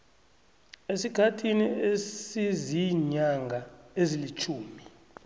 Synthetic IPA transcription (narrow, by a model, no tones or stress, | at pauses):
esiɡ̥ʱatʰiniesiziɲaŋɡʱaezilit͡ʃʰuːmi